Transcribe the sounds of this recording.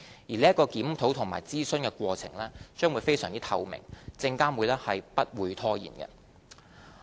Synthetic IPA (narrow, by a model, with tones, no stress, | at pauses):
jiː˨˩le˨˥jɐ˥kːɔː˧kiː˨˥mt̪ʰo˨˥wt̪ʰʊ˨˩ŋmaː˨˩jt͡siː˥sɵ˥nkɛ˧kʷɔː˧t͡sʰɪ̰˨˩ŋlɛː˥t͡ʃœː˥ŋwu˨˧jfe˥jsœ̰ː˨˩ŋt͡si˥t̪ʰɐ˧wmɪ̰˨˩ŋt͡sɪ˧ŋkaː˥nwu˨˧lɛː˥hɐ˨jpɐ˥t̚wuː˨˧jt̪ʰɔː˥jḭː˨˩nkɛ̰˧